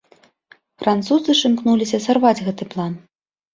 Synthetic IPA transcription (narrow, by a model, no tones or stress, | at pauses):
fɾant̪suzɨʂɨmknulʲisʲɐsarvad͡zʲɣɛt̪ɨplˠan